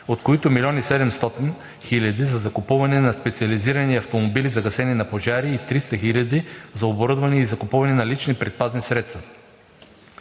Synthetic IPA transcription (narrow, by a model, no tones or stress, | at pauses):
ot̪koit̪ʊmilʲɔnisɛd̪ɛmst̪ɔt̪in | xilʲɐd̪izɐzɐkʊpuvɐnɛnɐspɛt̪siɐliziɾɐniɐft̪omobilizɐɡɐsɛninɐpoʒaɾiːt̪ɾist̪əxilʲɐd̪izɐoboɾɤd̪vɐniizɐkʊpuvɐnɛnɐlit͡ʃnipɾɛt̪̚paznisɾɛt̪st̪vɐ